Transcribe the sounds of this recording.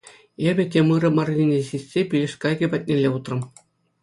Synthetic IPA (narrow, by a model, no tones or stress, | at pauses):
ebʲɘ̆tʲemɯɾɤ̆mɑrʲnʲinʲeɕisʲsʲepʲilʲĕʂʲkɑɡʲɘ̆pʲɑt̚ʲnʲelʲːeut̪rɤ̆m